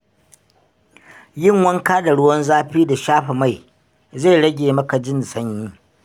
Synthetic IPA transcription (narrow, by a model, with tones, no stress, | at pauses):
jɪ˦ŋwɐ˦ŋkaː˦da˨ɽʊ˦wɔ˦nzaː˦ɸiː˦da˨ʃaː˦ɸa˨ma˦˨j | za˦˨jɽɐ˦ɡʲeː˨mɐ˦ka˨d͡ʒɪ˦nsɐ˦ɲːi˦